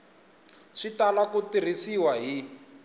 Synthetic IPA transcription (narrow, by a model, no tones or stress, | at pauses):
ʂitalakutir̤isiwaɦi